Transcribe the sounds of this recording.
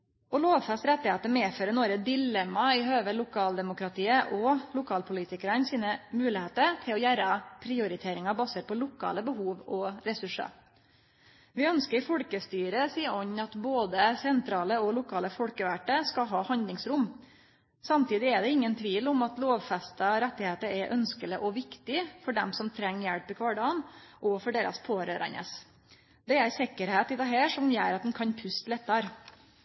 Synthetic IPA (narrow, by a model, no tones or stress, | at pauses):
ɔloːʋfɛst̪ɾɛt̪ːɪheːt̪əmeːføːɾənoɾəd̪ɪlɛmːɑɪhøːʋəlʊkʰɑːld̪ɛmʊkɾɑt̪ʰiːəʔɔlʊkʰɑːlpʰʊliːt̪ɪkəɾənsiːnəmʉːlɪheːt̪əɾt̪ʰɪlɔjæːɾəpʰɾɪʊɾɪt̪ʰeːɾɪŋɑbɑsəɾpʰɔlʊkʰɑ̰ːləbəɦuːʋɔɾɛsʉʂɑ̰ | ʋɪœnskəɾfɔɽkəst̪yːɾəsiːɔɲɑt̪boːd̪əsɛnt̪ʰɾɑːləɔlʊkʰɑːləfɔɽkəʋæʈəskɑɦɑːhɑnd̪lɪŋsɾʊm | sɑmt̪ʰiːd̪ɪæɖ̪ɛɪŋːənt̪ʰʋiːlɔmɑt̪loːʋfɛst̪ɑɔɾɛt̪ːɪheːt̪əɾɛʔœnskəlɪʔɔʋɪkt̪ɪfɔɖɛmsɔmt̪ʰɾɛŋːjæɽpːɪkʰʋɑːɖɑːnʔɔfɔɖeːɾɑ̰spʰoːɾøːɾɑ̰nə̰s | d̪ɛæɾsɛkəɾheːt̪ɪd̪ɑːɦæːʂɔmjæːɾɑt̪̚d̪ɛn̩kʰɑnpʰʉst̪lɛt̪ːɑɾ